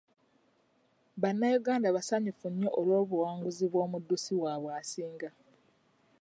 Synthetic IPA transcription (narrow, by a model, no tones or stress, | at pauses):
βanːajuɡaːndaβasaɲufuɲːo̞ʔolwoːβuwaːŋɡuziβwo̞ːmudːusiwaːβwasiːŋɡa